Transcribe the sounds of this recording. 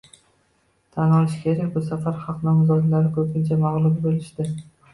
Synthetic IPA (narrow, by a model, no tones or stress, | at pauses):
t̪ʰanɒlˠɪʃkʲʰeɾakʲbʊsafaɾχɑqnɒmzɒd̪laɾɪkʰɵpʲʰɪnt͡ʃʰamaʁlˠʊmbolɪʃt̪ɪ